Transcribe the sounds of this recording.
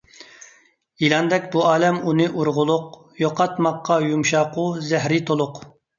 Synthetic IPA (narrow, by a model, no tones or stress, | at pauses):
jilˠɑnd̪ɛkʲbuɑːlɛmunɨʔuɾʁʊlˠʊq | joqʰɑt̪mɑqːɑjumʃɑːqʊzɛhɾɪt̪ʰolˠʊq